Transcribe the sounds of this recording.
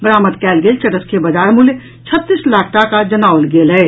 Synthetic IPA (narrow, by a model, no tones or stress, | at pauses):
bɾaːmət̪kɛːlɡelt͡ʃɐʈəskebɐd͡ʒaːɾmʊlj | t͡ʃʰət̪ːislaːkʰʈakad͡ʒɐnaːwlɡeːlɦɛː